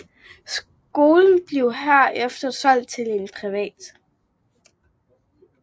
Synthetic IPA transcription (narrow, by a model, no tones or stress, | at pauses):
s | ɡ̥o̝ːln̩b̥le̝ʊɦæɐ̰ʔefd̥ɐsɒ̽l̰d̥̚t͡sʰe̝le̝npʰʁiʋɛ̰ːd̥